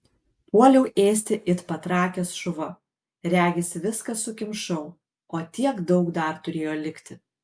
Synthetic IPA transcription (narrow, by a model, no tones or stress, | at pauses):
puɔlʲɛʊʔeːsʲt̪ʲɪʔɪt̪pɐt̪ɾɑːkʲɛsʃʊʋɐ | ɾʲæːɡʲɛsʲʋʲɪskɐsʊkʲɪmʃɐʊ | oːt̪ʲiɛkd̪ɒʊkd̪ɐɾt̪ʊɾʲeːjoːlʲɪkʲt̪ʲɪ